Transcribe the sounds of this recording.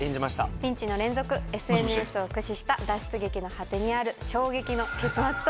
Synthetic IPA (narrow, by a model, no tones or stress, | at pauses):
ẽɲd͡ʑimaɕi̥t̪apʲĩɲ̟t͡ɕino̞ɾẽ̞nd͡zo̞kɯ̟e̞sɨe̞nɯ̟esɨo̞kɯ̟ɕiɕi̥t̪ad̪aɕi̥t͡sɨɡe̞kʲino̞hat̪e̞ɲ̟iaɾɯ̟ɕo̞ːɡe̞kʲino̞ke̞t͡sɨmat͡sɨ̥t̪